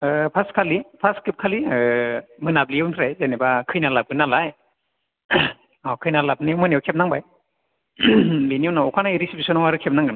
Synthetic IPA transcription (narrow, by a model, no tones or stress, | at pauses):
pʰaskʰalipʰaskɯp̚kʰali | mɯnabliewntʰɾajzenebakʰɯjnalab̚ɯnalaj | awkʰɯjnalap̚niwmɯniawkʰep̚naŋbaj | biniɔwnaɔkʰanaiɾisipʰisɔnɔwaɾɯkʰep̚naŋɡɯn